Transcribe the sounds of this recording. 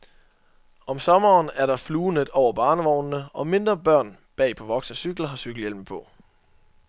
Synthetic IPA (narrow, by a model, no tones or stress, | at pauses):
ɒ̽msɒ̽mɐːnæɐɾɑ̈fluːned̥ˠɒʊɐb̥ɑ̈ːnəʋɒʊ̰nːəʔɒ̽me̝nd̥ʁɐb̥ɶɐ̰n | b̥ɛ̰ːpʰɒ̽ʋɒ̽ɡ̥səsyɡ̥l̩ɐɦɑ̈syɡ̥l̩jelməpʰɒ̽